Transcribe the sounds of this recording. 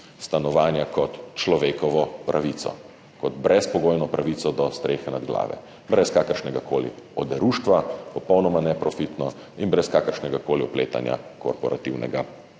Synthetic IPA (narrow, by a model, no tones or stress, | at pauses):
st̪anɔʋaːnjakɔt̪t͡ʃlɔʋeːkɔʋɔpɾʔaʋit̪sɔ̰ | kɔd̪bɾɛspɔɡoːjnɔpɾaʋit̪sɔd̪ɔst̪ɾeːxɛnad̪ɡla̰ːʋɛ̰ | bɾɛskaːkəɾʃnɛɡakoːlḭɔd̪ɛɾuːʃt̪ʋapɔpɔwnɔmanɛpɾɔfit̪nɔ | inbɾɛskaːkəɾʃnɛɡakoːliɔpleːt̪a̰nja̰kɔ̰ɾpɔɾat̪iwnɛ̰ɡa